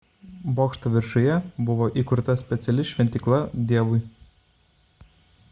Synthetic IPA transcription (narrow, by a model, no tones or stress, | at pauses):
boːkʃt̪oʋʲɪɾʃʊjɛbʊʋoːʔiˑkʊɾt̪ɐsʲpʲɛt̪sʲɛlʲɪʃʲʋʲɛnʲt̪ʲiklˠɐd̪ʲiɛʋʊɪ